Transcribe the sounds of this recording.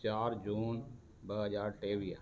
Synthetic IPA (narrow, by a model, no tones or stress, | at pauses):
t͡ʃaːɾd͡ʒuːn | bəɦəd͡ʒaːɾʈeːʋiː